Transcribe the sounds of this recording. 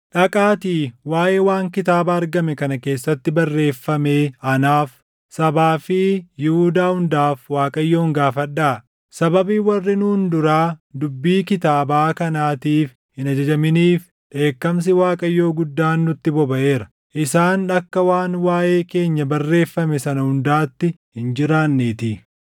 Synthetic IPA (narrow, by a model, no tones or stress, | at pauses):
ᶑɐkʼaːt̪iːwaːʔeːwaːŋkɪt̪aːbaːɐɾɡɐmɛkɐnɐke̞ːsːɐt̪ːɪbɐrːe̞ːfːɐmeːʔɐnaːf | sɐbaːfijɪhuːd̪aːhʊnd̪aːfwaːkʼɐjːo̞ːŋɡaːfɐᶑːaː | sɐbɐbiːwɐrːɪnuːnd̪ʊɾaːd̪ʊbːiːkɪt̪aːbaːkɐnaːt̪iːf | hɪnɐd͡ʒɐd͡ʒɐmɪniːf | ᶑe̞ːkːɐms̬ɪwaːkʼɐjːo̞ːɡʊd̪ːaːnːʊt̪ːɪbɔbɐʔe̞ːɾɐ̥ | ʔɪsaːnɐkːɐwaːnwaːʔe̞ːke̞ːɲːɐbɐrːe̞ːfːɐmɛsɐnɐhʊnd̪aːt̪ːɪ | hɪnd͡ʒɪɾaːnːeːt̪i